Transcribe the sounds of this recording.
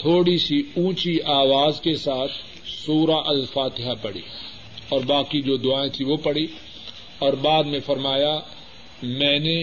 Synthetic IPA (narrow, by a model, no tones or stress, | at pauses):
t̪ʰoːɽisiũːt͡ʃiaːʋaːzkesaːt̪ʰ | suːɾaʔɐlfaːt̪ɪɦapɐɽḭː | ɔːɾbaːkid͡ʒoːd̪ʊaːẽt̪ʰiʋopɐɽi | ɔːɾbaːd̪mẽfɐɾmaːja | mɛ̃ːne